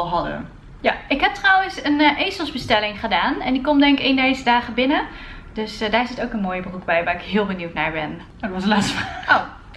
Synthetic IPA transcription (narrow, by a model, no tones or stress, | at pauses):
lˠɦɑdə̰ | jaʔɪkɦɛp̚trɔwənsənʔejsəlˠzbəstɛlɪŋχədaːnɛndikɔmdɛŋkkɪndejzədaːχəbɪnə | d̥øsdaːɹzɪtowkənmoːjəbəruɡ̚bɛjʋaːɹɪkɦɪːlˠbənywtnaːɹbɛn | tʋɑsəlaːtstəfao